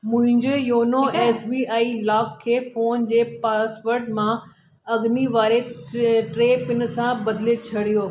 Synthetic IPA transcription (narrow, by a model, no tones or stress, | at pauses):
mʊ̃ɦɪ̃ɲd͡ʑejoːnoeːsbiːaːilaːkʰːeːfoːnd͡ʑeːpaːsʋəɾʈmã | ɐɡniʋaːɾeʈɾeːpɪn̆sãbɐd̪ɪlet͡ɕʰɐɽijoː